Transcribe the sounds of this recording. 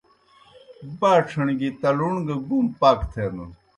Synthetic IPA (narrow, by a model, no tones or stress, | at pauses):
baːʈ͡ʂʰɐɳɡit̪ɐluɳɡɐɡumpaːkt̪ʰeːnu